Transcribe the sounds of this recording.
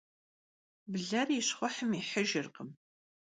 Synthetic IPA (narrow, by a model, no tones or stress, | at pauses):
bɮɐriɕχʷɔħəmiħəʒɪrqəm